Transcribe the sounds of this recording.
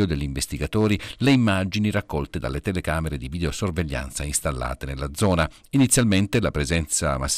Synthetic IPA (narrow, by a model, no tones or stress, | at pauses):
od̪eʎːiɱvest̪iɡat̪oːɾileimːaːd͡ʒiniɾakːɔlt̪ed̪a̰lːet̪elekaːmeɾed̪ivid̪eosorveʎːa̰nt̪sainst̪alːa̰ːt̪enelːad̪zɔːna | init̪sːjalment̪elapɾezɛnt̪samas